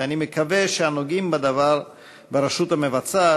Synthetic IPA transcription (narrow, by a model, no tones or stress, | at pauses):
animekaveʃeanoɡimbad̪avaɾ | beɾeʃut̪hamevat͡sa